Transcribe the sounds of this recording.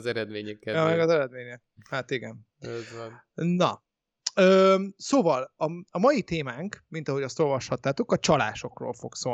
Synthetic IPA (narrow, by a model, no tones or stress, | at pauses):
zɛɾɛd̪meːɲɛkːɛɒmɛɡɒzɛɾɛd̪meːɲɛk | hat̪iɡɛn | nɒ | øːsoːvɒlɒɒmɒjit̪eːmaːŋkmin̪t̪ɒɦo̞ɟɒst̪o̞lvɒʃhɒt̪ːaːt̪okɒt͡ʃɒla̰ːʃo̞kro̰ːlfo̞̰kso